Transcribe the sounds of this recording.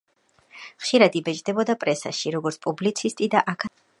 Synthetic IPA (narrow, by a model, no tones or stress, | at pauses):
χʃiɾad̪ibɛd͡ʒd̪ɛbɔd̪apʼɾɛsa̰ʃiɾɔɡɔɾt̪sʰpʼublit̪sʰist̪ʼid̪aʔakʰa